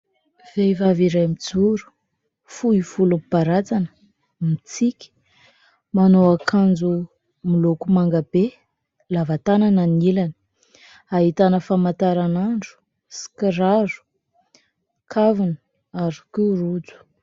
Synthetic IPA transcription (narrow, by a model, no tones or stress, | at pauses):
v̥ejvaviɾajmid͡zuɾu̥ | fuiv̥ulumbaɾat͡sanə̥ | mit͡sikʲi̥ | manoakʰand͡zu | milokumaŋɡabe | lavat̪anananilanə̥ | aɦit̪anəfamat̪aɾanaɳɖ͡ʐu̥ | si̥kəɾaɾu̥ | kʰavunə | aɾu̥kirud͡zu̥